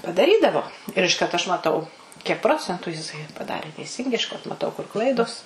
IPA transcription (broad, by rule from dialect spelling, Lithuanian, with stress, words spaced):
pɐdɐˈrʲiːdɐʋoː ɪr ɪʃˈkɐrt ɐʃ mɐˈtɐʊ kʲiɛk ˈproːt͡sʲɛntʊ jɪˈsɐɪ pɐˈdɑːrʲeː tʲɛɪˈsʲɪŋɡɐɪ ɪʃˈkɐrt mɐˈtɐʊ kʊr ˈklˠɐɪdoːs